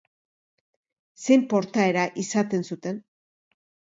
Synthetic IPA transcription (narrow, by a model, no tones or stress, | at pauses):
se̞mpo̞ɾt̪ae̞ɾaʔisat̪e̞nsut̪e̞n